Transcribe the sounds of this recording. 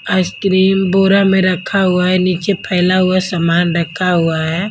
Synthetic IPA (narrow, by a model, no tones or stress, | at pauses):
əskɾiːmboːɾamẽɾəkʰːaɦʊaɦɛniːt͡ʃepʰɛːɪlaɦʊasamaːnɾəkʰaɦʊaɦɛː